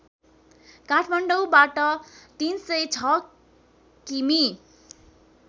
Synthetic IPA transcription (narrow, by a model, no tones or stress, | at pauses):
kaʈʰmʌɳɖʌw̃baʈʌt̪insʌjt͡sʰʌ | kimi